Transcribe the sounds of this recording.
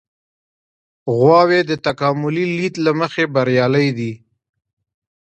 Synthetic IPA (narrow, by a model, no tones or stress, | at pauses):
ɣwɑwed̪ət̪akɑmʊlilit̪laməxebaɾjɑləjd̪i